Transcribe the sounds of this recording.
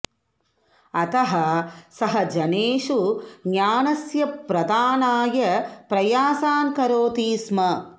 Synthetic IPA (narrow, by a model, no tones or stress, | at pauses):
ɐt̪ɐɦɐsɐɦɐd͡ʒɐneːʂuɡjaːnɐsjɐpɾɐd̪aːnaːjɐpɾɐjaːsaːnkɐɾoːt̪iːsmɐ